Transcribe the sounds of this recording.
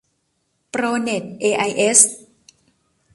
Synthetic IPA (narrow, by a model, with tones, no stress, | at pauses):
pɾoː˧ne˨˩t̪̚ʔeː˧ʔa˧jʔe˦˥s